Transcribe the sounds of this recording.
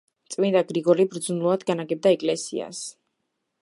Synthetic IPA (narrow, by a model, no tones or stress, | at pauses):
t̪sʼmind̪aɡɾiɡɔɾibɾd̪zunlˠuad̪ɡanaɡɛb̚d̪aɛkʼlɛsḭa̰s